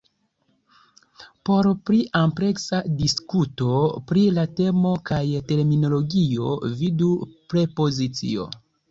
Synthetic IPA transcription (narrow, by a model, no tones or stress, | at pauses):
po̞ɾpɾiʔampɾe̞ksadiskuto̞pɾilate̞mo̞kajte̞ɾmino̞lo̞ɡio̞vidupɾe̞po̞zit͡sḭo̞̰